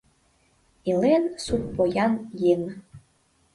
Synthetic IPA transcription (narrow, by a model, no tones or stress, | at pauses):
ilensup̚pojɑnjeŋ